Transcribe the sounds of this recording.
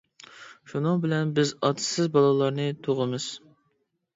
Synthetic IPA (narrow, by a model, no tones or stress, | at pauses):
ʃunɨŋbɪlɛnbɪzɑt̪ʰɨ̥sɪzbɑlˠɨlˠɑɾnɨt̪ʰoʁəmɨz̥